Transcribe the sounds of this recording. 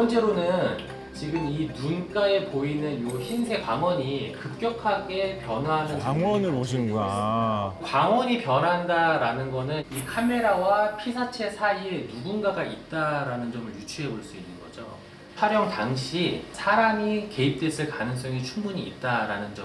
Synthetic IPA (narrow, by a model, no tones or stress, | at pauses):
ʌnt͡ɕ͈e̞ɾonɯn | t͡ɕiɡɯminunk͈ae̞poinɯnjoçinsʰe̞kwaŋwʌɲikɯp̚k͈jʌkʰaɡe̞pjʌnanɯnŋwʌnɯɭpoɕ̬ʰinɯnɡua | kaŋwʌɲipjʌnɦandaɾanɯnɡʌnɯnikʰame̞ɾawapʰisʰat͡ɕʰe̞sʰaienuɡunɡaɡait̚t͈aɾanɯnd͡ʑʌmɯɭjut͡ɕʰuɦe̞boɭs͈uinːɯnɡʌ̰d͡ʑo̰ | pʰaɾjʌŋtaŋɕʰisʰaɾaŋike̞ip̚t͈we̞s͈ɯɭkanɯŋs͈ʌŋit͡ɕʰuŋmuɲiːt̚t͈aɾanɯnd͡ʑʌ